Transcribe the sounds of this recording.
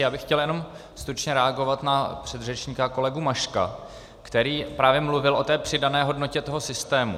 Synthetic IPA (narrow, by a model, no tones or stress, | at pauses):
jaːbɪxcɛljɛno̞m | st̪ɾut͡ʃɲɛɾɛaɡo̞vat̪napr̝̥ɛd̪rɛt͡ʃɲiːkako̞lɛɡumaʃka̰ | kt̪ɛɾiːpɾaːvjɛmluvɪlʔo̞t̪ɛːpr̥ɪdanɛːɦo̞dnocɛt̪o̞ɦo̞sɪst̪ɛːmṵ